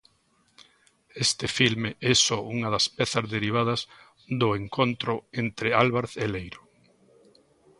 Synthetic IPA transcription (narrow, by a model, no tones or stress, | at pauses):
est̪ɪfilmeʔɛsɔuŋɐðɐspɛθɐzðeɾiβ̞að̞ɐz | d̪ʊeŋkʰont̪ɾʊent̪ɾɪalβaɾeθelejɾo